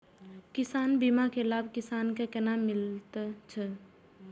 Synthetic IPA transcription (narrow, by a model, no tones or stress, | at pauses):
kɪsaːnbimakelaːbkɪsaːnkekɛnamɪlt̪t͡ʃʰɛ